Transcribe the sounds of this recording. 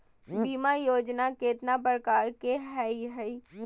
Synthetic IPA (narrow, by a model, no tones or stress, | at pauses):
bimajoːd͡ʒnakeːt̪napɾəkaːɾkeɦɛiɦɛi